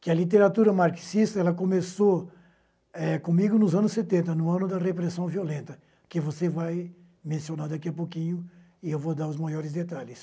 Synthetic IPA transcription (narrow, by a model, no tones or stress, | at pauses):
kɪɐlit̪̬eɾat̪uɾɐmaɾksist̪ɐɛlɐkõmeso | ɛkõmiɡʊnʊzɐ̃nʊsːet̪ẽnt̪ɐnʊ̃ɐ̃nʊd̪ɐrepɾesɐ̃w̃violẽnt̪ɐ | kɪvosevaj | mẽsionad̪akiɐpokĩɲʊ | ɪewvod̪aɾʊzmajɔɾɪzd̪et̪aʎɪs